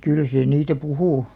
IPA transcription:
kyl se niːtæ puhuˑ

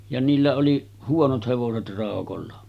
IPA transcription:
jɑ niːlːæ oli huonot heʋoset rɑˑokolːɑ

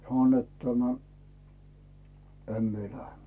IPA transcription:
sɑno net tæmæ em mie læhe

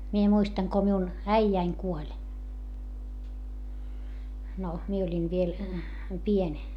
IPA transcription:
mie muistɑŋ ko miun æijæiŋ kuolʲ no mie olʲin ʋiel pienʲ

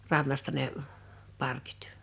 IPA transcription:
rɑnːɑstɑ ne pɑrki̥ːt

